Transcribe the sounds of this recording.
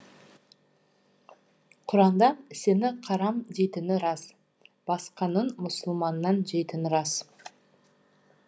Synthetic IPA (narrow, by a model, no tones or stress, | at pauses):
qʰʊɾɑnd̪ɑnɪse̞nɪqʰɑɾɑmd̪e̞t̪ɪnɪɾɑz | b̥ɑsqɑnəɴmʊsʊlˠmɑnːɑnʒe̞jt̪ɪnɪɾɑz